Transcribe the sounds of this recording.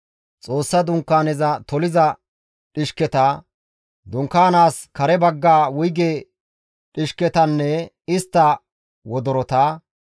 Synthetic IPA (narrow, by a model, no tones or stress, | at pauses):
t͡sʼo̞ːsːɐd̪ʊŋkːaːnɛzɐt̪ɔlɪzɐ | ᶑɪʃkɛt̪ɐ | d̪ʊŋkːaːnaːskɐɾɛbɐɡːaːwʊjɡeː | ᶑɪʃkɛt̪ɐnːɛ | ɪst̪ːɐ | wɔd̪ɔɾɔt̪aː